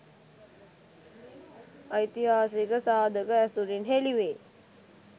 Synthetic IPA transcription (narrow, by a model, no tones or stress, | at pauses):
əjt̪iɦaːsikəsaːd̪ʱəkəæsuɾinɦeliʋe